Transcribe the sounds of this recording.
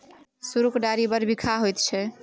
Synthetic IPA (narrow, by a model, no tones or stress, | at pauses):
suɾukɖaɾibəɾbikʰaɦojt̪t͡ʃʰɛ